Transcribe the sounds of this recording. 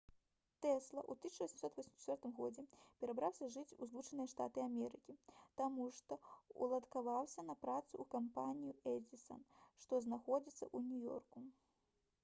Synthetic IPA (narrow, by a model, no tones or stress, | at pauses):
t̪ɛslˠɐ̰ʔut̪ɨsʲit͡ʃʂɐvɔsʲɛmsɔt̪vʲɔsʲmst̪ʲɔrt̪ɨmɣɔd͡zʲɛpʲɛɾabɾawsʲɐʐɨt͡sʲuzlˠut͡ʂɨnɨjɐʂt̪a̰t̪ɨamʲɛɾɨkʲit̪amuʂt̪ɔṵlˠɐt̪kavawsʲɐnɐpɾat̪suːkampanʲijuɛdʲisɐ̰nʂt̪ɔznaxɔd͡zʲit̪sːɐ̰ʔunʲujɔ̰rku